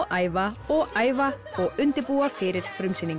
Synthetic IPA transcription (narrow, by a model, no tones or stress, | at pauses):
ʔaːjvaɔɣaːjva | ɔɣʏnt̪ɪpuːafɪɾɪɾ̥fɾʏmsɪniŋ